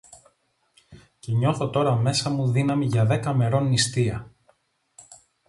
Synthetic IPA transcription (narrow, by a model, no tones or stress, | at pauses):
ce̞ɲo̞θo̞t̪o̞ɾɐme̞sɐmuðinɐmiʝɐðe̞kɐme̞ɾo̞nːist̪iɐ